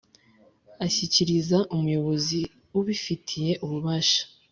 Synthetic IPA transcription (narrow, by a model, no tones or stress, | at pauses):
açiciɾizaʔumujo̞βo̞zi | uβifitʰije̞ʔuβuβaːʃḁ